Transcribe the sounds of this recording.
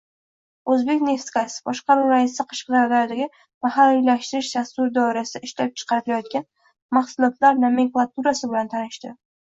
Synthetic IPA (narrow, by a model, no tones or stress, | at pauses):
ɵzbe̞kʲne̞ft̪kasɪ̥bɒʃqɑɾuɾaɪsaqʰɨ̥ʃqd̪aɾd̪aɾd̪aɡʲɪ | mahalːilaʃt̪ɪɾɪʃd͡ʒast̪ʊɾd̪ɒɪɾasɪaɪʃlap̚t͡ʃʰɨ̥qʰɑɾɪt̪ɪlajɒt̪̚kʲan | maχsʊlˠɒt̪laɾnameŋklˠat̪ʰuɾasɪbɪlant̪ʰanɪʃt̪ɪ